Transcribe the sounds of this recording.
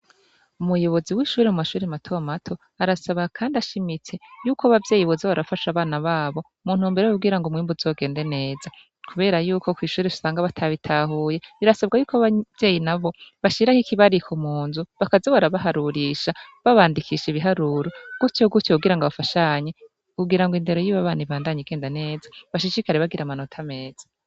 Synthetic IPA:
umujo̞βo̞ziwiːʃuːɾemumaʃuːɾematʰo̞matʰo̞ | aɾasaβakʰaːndaʃimit͡se̞juːkoaβavje̞ːjiβozoβaɾafaʃaβaːnaβaːβo̞ | muːn̥uːmbeɾejubɡiɾaŋɡomŋiːmbuzo̞ːɡe̞ːnde̞ne̞ːza | kʰuβe̞ːɾajuːkʰo̞kwiːʃuːɾeʃu̥saːŋɡaβatʰaβitʰaːɦuːje̞iɾasab̚ɡajuːkaβav̥je̞ːjinaβo̞βaʃiɾahikiβaɾikʰomuːnzuβakazoβaɾaβaɦaɾuɾiʃaβaβaːndikʰiʃiβiɦaɾuːɾoɡ̥utjoɡutouɡiɾaŋɡaβafaʃaɲe | kuɡiɾaŋɡoinde̞ɾo̞jiβaβaːniβaːndaɲiɡe̞ːndane̞ːzaβaʃiʃikaɾeβaɡiɾamano̞tʰame̞ːz̥ḁ

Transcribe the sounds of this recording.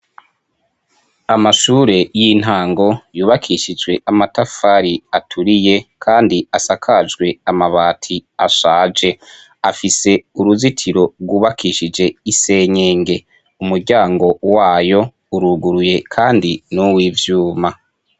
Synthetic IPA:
amaʃuːɾe̞jin̥ɦaːŋɡo̞juːβakʰiʃid͡ʒwe̞ʔamatafaɾiatʰuɾije̞kʰaːndiasakʰad͡ʒɡwe̞amaβaːtʰiaʃaːd͡ʒe̞ | afise̞uɾuzitʰiɾo̞ɡuːβakʰiʃid͡ʒe̞ise̞ːɲeːŋɡe̞ | umuɾɟaːŋɡo̞waːjo̞ | uɾuɡuɾuje̞kʰaːndinuwiːvjuːma

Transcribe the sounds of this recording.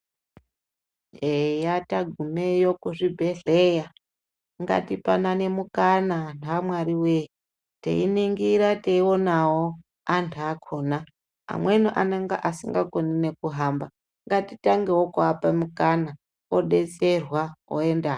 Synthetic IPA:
ejataɡʱumejokuʐibʱeɮeja | ŋɡa̰tipanane̞mukananamwaɾiwei | tḛiniŋɡiɾateiwo̞nawo | antʰuakʰoːna | a̰mwenuʔaneŋɡa̰ʔasiŋɡakonine̞kuɦamba | ŋɡatitaŋɡewokuapamukana | oɗe̞t͡se̞rwao̰enda

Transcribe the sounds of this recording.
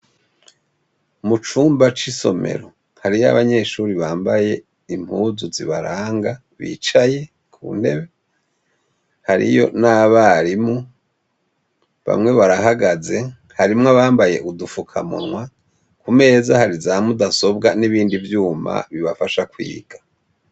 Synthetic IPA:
mut͡ʃuːmbat͡ʃiso̞̰me̞̰ɾo̞ | haɾija̰βaɲe̞ʃuɾiβaːmbaje̞ | im̥huːzuziβaɾaːŋɡa | βḭt͡ʃaje̞ | kʰṵːn̥e̞βe̞ | haɾḭjo̞̰naβaɾimu | βa̰mŋe̞βaɾaɦaɡaze̞ | haɾimŋaβaːmbaje̞ʔudufukʰamṵnŋwa | kume̞ːzahaɾizamudaso̞bɡaniβiːndivjuːma̰βiβafaʃakwḭːɡ̥a

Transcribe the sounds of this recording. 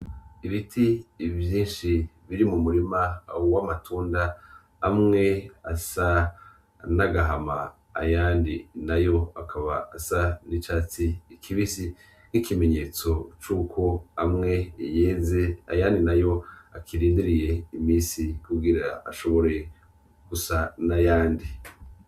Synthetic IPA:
iβitʰivjiːnʃiβiɾimumuɾimauwamatʰuːndaː | mŋe̞asa | naɡaɦama̰ː | jaːndinajo̞akʰaβa̰ːsanit͡ʃaːt͡siːkʰiβisi | nikʰime̞ɲe̞ːt͡so̞t͡ʃuːkʰo̞amŋe̞jeːze̞a̰jaːndinajo̞akʰiɾiːndiɾije̞imiːsikuɡiɾaaʃo̞βo̞ɾe̞ | ɡ̥usanajaːndi

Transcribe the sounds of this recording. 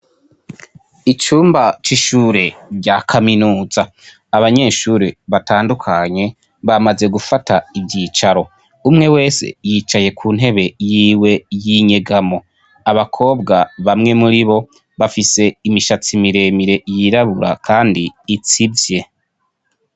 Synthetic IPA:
it͡ʃuːmbat͡ʃiʃuːɾe̞ɾɟakʰaminuːzaː | βaɲe̞ːʃuːɾeβataːndukʰaɲe̞ | βamaze̞ɡufataibɟit͡ʃaɾo̞ | umŋe̞we̞ːse̞̰jit͡ʃaje̞kʰuːn̥ɦe̞βe̞jiːwe̞jiɲe̞ɡamo̞ | aβakʰo̞ːbɡaβamŋe̞muɾiβo̞ | βafise̞imiʃat͡simiɾe̞miɾe̞jiɾaβuɾa̰kʰaːndiːt͡sibje̞

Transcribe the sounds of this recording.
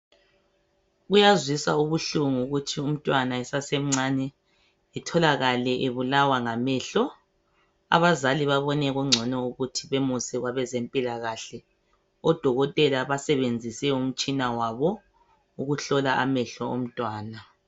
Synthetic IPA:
ɣujazwisauβuɬuŋuuɣutʰium̩tʼwanaɛsasem̩ŋ͡ǀanɛ | ɛtʰɔlaɣalɛʔeβulawaŋamɛɬɔ | a̰βazaliβaβɔnɛɣuŋ͡ǀʱɔnɔuɣutʰiβemusɛɣwaβɛzempʼilaɣaɬɛ | ɔd̥ʱɔɣɔtʼɛlaβasɛβend͡zʱisɛum̩t͡ʃʼinawaβɔ | uɣuɬɔlaʔa̰mɛɬɔo̰m̩tʼwaːna

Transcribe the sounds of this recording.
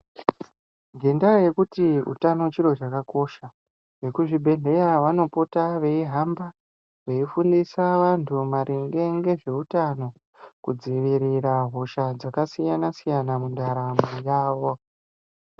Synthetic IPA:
ŋɡe̞ndaje̞kutiṵtano̞t͡ʃiro̞t͡ʃakako̞ʃa | ʋe̞kuʐibʱe̞ne̞jaʋano̞potaʋe̞iɦamba | ʋe̞ifundisaʋantʰumaɾʔiŋɡe̞ŋɡe̞ʐe̞utano̞ | kud͡ziʋiɾiraɦo̞ʃad͡zakasijanasijanamundaɾamujaːʋo

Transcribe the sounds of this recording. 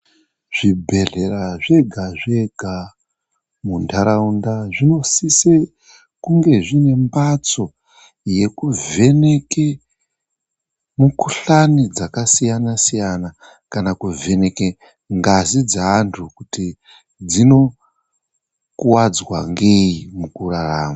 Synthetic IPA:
ʐ̥ibʱe̞ɮe̞raʐe̞ɡʱaʐe̞ɡʱa | mundaɾaundaʐino̞sise | kuŋɡe̞ʐine̞mbat͡so̞ | je̞kuve̞ne̞ke | mukuɬanid͡zakasijanasijana | kanakuve̞ne̞ke | ŋɡazid͡zaantʰukuti | d͡zino̞ | kuwad͡zwa̰ŋɡe̞imukuraraːma

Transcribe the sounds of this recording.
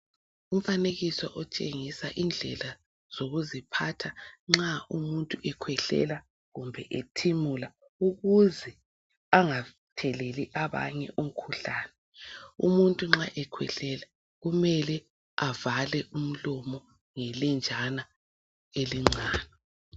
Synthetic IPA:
um̩faneɣisɔ̰ʔɔt͡ʃʼeŋisaʔind͡ɮʱɛ̰la | z̥oɣuzipʰatʰaŋ͡ǁaumuntʼuʔɛkʰwɛɬɛ̰la | ɣumbʱɛʔetʰimula | uɣuzɛ | aŋa | tʰɛleliʔaβa̰ɲɛʔum̩kʰuɬaːnɛ | umuntʼuŋ͡ǁaʔɛkʰwɛ̰ɬɛla | ɣumɛlɛ | avalɛʔum̩lɔmɔ | ŋɛlɛnd͡ʒʱana | eliŋ͡ǁaːnɛ

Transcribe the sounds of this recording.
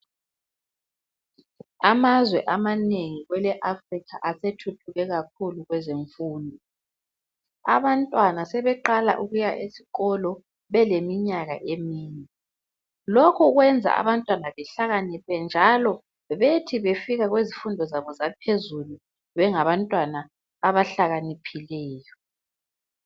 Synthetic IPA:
amazwɛʔamaneŋiɣwɛlɛʔafrikʰaʔasetʰutʰuɣɛɣak̚ʰuluɣwɛzeɱfuːndʱɔ | a̰βantʼwanasɛβɛǃala̰ʔuɣujaʔesi̥ɣɔlɔ | βɛlemiɲaɣa̰ʔemiːnɛ | lokʰɔɣwɛnd͡zʱa̰a̰βantʼwanaβɛɬaɣanipʰɛnd͡ʒʱalɔ | βetʰiβefiɣaɣwezifundʱɔzaβɔzap̚ʰezulu | βɛŋaβantʼwanaː | βaɬaɣanipʰilɛːjɔ

